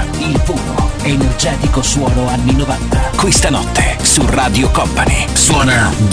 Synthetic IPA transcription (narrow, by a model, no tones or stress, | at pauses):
ilpuːno̰enerd͡ʒɛːt̪ikoswɔːnoanːinovant̪akwist̪anɔt̪ːesuraːd̪jokɔmpanḭswɔːna